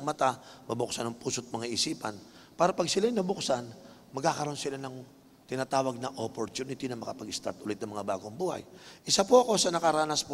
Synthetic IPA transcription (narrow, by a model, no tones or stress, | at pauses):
ŋmɐt̪amɐbʊksanɐŋpuːsot̪̚mɐŋaʔɪsiːpɐnpaːɾɐpɐɡ̚sɪlajɪnːɐbʊksan | mɐɡ̚kːakɐɾo̞nsɪlanɐŋ | t̪ɪnaːt̪aːwɐɡ̚nɐʔopoɾt̪uːnɪt̪ɪnɐŋmɐkɐpɐɡɪst̪a̰ɾt̪ʔʊlɛt̪nɐŋmɐŋabaːɡoŋbuːhɐ̰jʔɪsapoʔɐko̞sɐnɐkɐɾaːnɐspo